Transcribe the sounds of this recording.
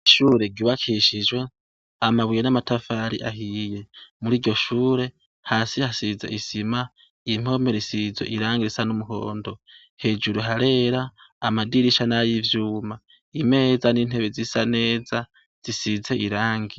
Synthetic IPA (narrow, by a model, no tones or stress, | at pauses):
ʃuːɾe̞ɡiβakʰiʃid͡ʒwe̞ | amaβwijenamatafaːɾḭʔa̰hije̞muɾiːɾɟo̞ʃuːɾe̞ | haːsihasiza̰ʔisima | im̥o̞me̞ɾisizwe̞̰ʔiɾaːŋɡiɾisanumuɦo̞̰ːndo̞ | he̞d͡ʒuɾuɦaɾe̞ːɾaːmadiɾiʃanajivjuːma | ime̞ːzanin̥e̞βezisane̞ːza | z̥isize̞ʔiɾaːŋɡi